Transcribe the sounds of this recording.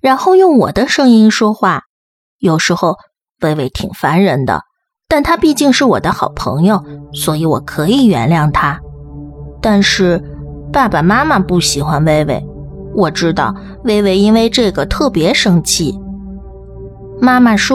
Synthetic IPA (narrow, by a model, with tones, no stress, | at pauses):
ɻa˧˥nxo˥˧ʊjʊ˥˩ŋwɔ˨˩d̪ə˦ʂɤ˥ŋi˥nʂwɔ˥xwa˥˩ | jo˨˩ʊʂɻ̩˧˥xo˥˧ʊ | we˥˩ɪwe˧˥˩ɪt̪ʰḭ˨˩ŋfa˧˥nɻə˧˥nd̪ə̰˧ | t̪a˥˩nt̪ʰa˥pi˥˧t͡ɕi˥˧ŋʂɻ̩˥˩wɔ̰˨˩d̪ə˦xɑ˨˩ʊpʰɤ̰˧˥ŋjo˥˧ʊswɔ˧˥i˧˥wɔ̰˨˩kʰɤ˧˥i˨˩ɥɛ̰˧˥nljɑ˥˩ŋt̪ʰa˥ | t̪a˥˧nʂɻ̩˥˩ | pa˥˩ba˨˩ma˥ma˨pu˥˩ɕi˨˩xwa˧˥nwe˥˧ɪwe˥˩ɪ | wɔ˨˩ʈ͡ʂɻ̩˥t̪ɑ˥˩ʊ | we˥˧ɪwe˥˩ɪi˥nwe˥˧ɪʈ͡ʂɤ˥˩ɡə˩t̪ʰɤ˥˩pjɛ˧˥ʂɤ˥ŋt͡ɕʰi˥˩ | ma˥ma˥˨ʂ